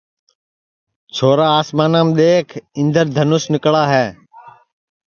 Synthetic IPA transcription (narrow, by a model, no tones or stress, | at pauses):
t͡ʃʰoːɾaːaːsmaːnaːmɗ̪eːkʰɪ̃nd̪əɾd̪ʱənʊsnɪkɭaːɦɛː